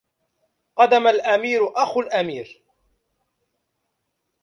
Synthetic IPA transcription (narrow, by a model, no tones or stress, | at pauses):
qɑd̪amalʔamiːɾʊʔaxʊlʔamiːɾ